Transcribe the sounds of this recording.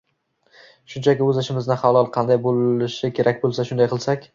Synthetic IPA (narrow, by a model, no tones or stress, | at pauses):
ʃʊnt͡ʃʰakʲɪɵzɪʃɪmɪznɪχalˠɒlˠqʰɑnd̪ajbolɪʃɪkʲʰe̞ɾʔak̚ʲbolˠsaʃʊnd̪ajqʰɨlˠsakʲ